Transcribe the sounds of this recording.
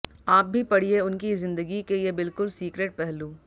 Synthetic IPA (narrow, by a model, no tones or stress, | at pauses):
aːp̚bʱipɐɽ̤ieʊnkizɪ̃nd̪əɡikejebɪlkʊlsiːkɾeːʈ̚pɛɦluː